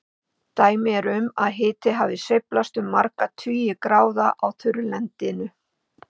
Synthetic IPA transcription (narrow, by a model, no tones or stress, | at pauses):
t̪aːjmɪɛɾʏmaðɦɪːt̪ɪɦavðɪsejplast̪ʏmːaɾkat̪ʰyːjɪkɾaːwðaʔawθʰʏɾlɛnt̪ɪnʏ